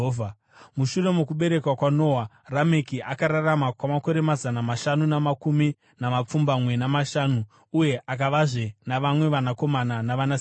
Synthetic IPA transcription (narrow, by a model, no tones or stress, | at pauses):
vʱa | muʃure̞mukuɓe̞ɾe̞kwakwano̞ːwa | rame̞kiʔakaɾaramakwamako̞ɾe̞mazanamaʃanunamakumi | namap͡fumbamwe̞namaʃaːnuː | je̞ʔakaʋaʐe̞naʋamwe̞ʋanako̞mananaʋanas